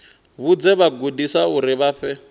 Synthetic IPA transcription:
βud͡zɛβaɡudisauɾiβaːɸɛ

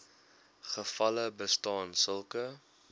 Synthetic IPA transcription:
χəfɐləbəstɑːnsəlˠkə

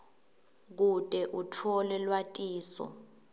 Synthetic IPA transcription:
k̬utʼɛʔutʰɔlɛlwatʼiːsɔ̰

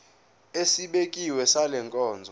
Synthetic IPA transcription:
esiɓekʼiwɛsalɛŋkʼɔːnd͡zʱɔ

